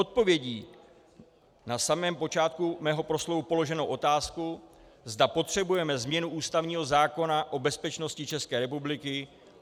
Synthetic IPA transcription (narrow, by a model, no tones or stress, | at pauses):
o̞t̪̚po̞vjɛɟiː | nasamɛːmpo̞t͡ʃaːt̪kumɛːɦo̞pɾo̞slo̞vupo̞lo̞ʒɛnowʔo̞t̪aːsku | zdapo̞t̪r̝̥ɛbujɛmɛzmɲɛnuʔuːst̪avɲiːɦo̞zaːko̞naʔo̞bɛspɛt͡ʃno̞scɪt͡ʃɛskɛːɾɛpublɪkɪ